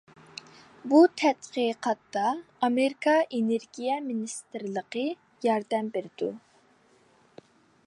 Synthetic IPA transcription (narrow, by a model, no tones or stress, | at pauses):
but̪ʰɛt̪qəqɑt̪ːɑː | meɾikʰɑʔeneɾɡʲijɛminist̪ɨɾlˠəqə | jɑɾd̪ɛmbeɾɪd̪u